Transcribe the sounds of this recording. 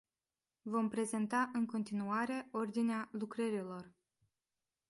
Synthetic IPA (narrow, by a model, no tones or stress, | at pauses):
vo̞mpɾe̞ze̞nt̪aʔɨŋko̞nt̪inuaɾe̞o̞rd̪inealukɾəɾilo̞r